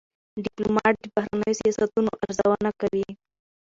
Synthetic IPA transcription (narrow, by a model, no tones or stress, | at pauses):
ɖɪplomɑʈbahɾanəjosijɑsat̪unoʔaɾzawənakawi